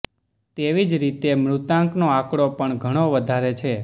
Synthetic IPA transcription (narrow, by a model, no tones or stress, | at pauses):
t̪eʋid͡ʒɾit̪emɾut̪ãŋknoakɽopəɳɡʱəɽ̃oʋəd̪ʱaɾet͡ʃʰe